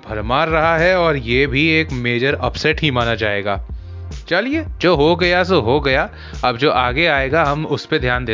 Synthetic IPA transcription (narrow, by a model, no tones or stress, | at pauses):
bʱɐɾmaːɾːɐɦaɦɛɔːɾjebʱieːkmeːd͡ʒəɾɐpsɛʈɦimaːnad͡ʒaːḛːɡa̰ː | t͡ʃɐlied͡ʒoːɦoɡɐjas̬oɦoɡɐja | ɐbd͡ʒoːʔaːɡeaːeːɡaɦɐmʊsped̪ʱjaːnd̪eː